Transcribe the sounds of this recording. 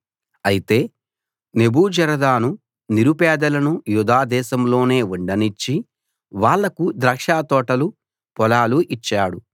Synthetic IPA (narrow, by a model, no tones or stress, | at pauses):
ɐjit̪e̞ː | ne̞buːd͡ʒɐɾɐd̪aːnu | niɾupɛːd̪ɐlɐnujud̪aːd̪ɛːʃɐmlo̞ːne̞ːuɳɖɐnit͡ʃːi | ʋaːɭːɐkud̪ɾɐkʂaːt̪ɔːʈɐlu | pɔlaːluʔit͡ʃːaːɽu